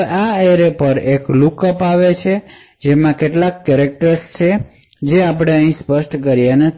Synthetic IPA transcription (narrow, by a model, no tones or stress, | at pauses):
aeɾepəɾeklukəpaʋet͡ʃʰe | d͡ʒemãkeʈlakːɛɾek̚ʈəɾst͡ʃʰe | d͡ʒeapɽ̃eəɦĩspəʃʈkəɾjenə